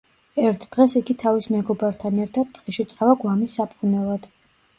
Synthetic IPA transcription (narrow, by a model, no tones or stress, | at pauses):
ɛɾt̪ʰd̪̥ʁɛsiɡit̪ʰavismɛɡɔbaɾt̪ʰanɛɾt̪ʰad̪̚t̪ʼqʼiʃit̪sʼavaɡwamisːapʼqʼunɛlˠad̪̥